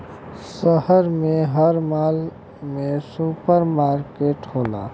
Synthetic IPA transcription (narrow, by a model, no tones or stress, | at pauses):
səɦəɾmẽɦəɾmaːl | mẽsuːpəɾmaːɾkeːʈɦoːla̰ː